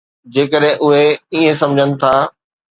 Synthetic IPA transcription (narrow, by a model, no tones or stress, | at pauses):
d͡ʑeːkəɗɦɪ̃ʔʊɦeiːẽsɐ̃md͡ʑʱənɪ̆t̪ʰaː